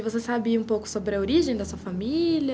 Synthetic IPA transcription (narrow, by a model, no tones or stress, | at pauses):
vosesabiɐũpowkʊ̥sobɾɪɐoɾiʒẽj̃d̪ɐsuɐfamilɐ